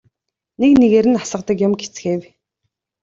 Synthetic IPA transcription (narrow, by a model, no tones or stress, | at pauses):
nekneɣeɾɘ̆nasə̆qt̪ə̆kjʊmɡet͡sxeːw